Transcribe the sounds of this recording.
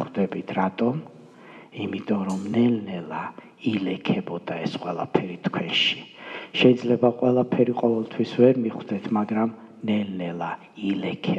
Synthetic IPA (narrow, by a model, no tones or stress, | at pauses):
d̪ɛbit̪ʰɾat̪ʼɔm | imit̪ʼɔɾɔmnɛlnɛlˠa | ilɛkʰɛbɔd̪̥aɛsqʼwɛlˠapʰɛɾit̪ʰkʰwɛnʃi̥ʃɛid̪zlɛbaqʼwɛlˠapʰɛɾiqʼɔvɛlˠt̪ʰwisvɛɾmiχwd̪ɛt̪ʰmaɡɾam | nɛlnɛlˠa | ilɛkʰɛ